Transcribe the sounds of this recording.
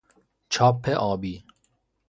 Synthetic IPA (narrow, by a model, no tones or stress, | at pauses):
t͡ʃʰɒːpʰːeʔɔːbiː